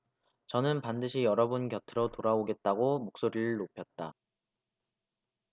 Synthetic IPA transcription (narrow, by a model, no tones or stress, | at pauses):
t͡ɕʌnɯnpandɯɕʰijʌɾʌbunkjʌtʰɯɾotoɾaoɡe̞t̚t͈aɡomok̚s͈oɾiɭɭnopʰjʌt̚t͈a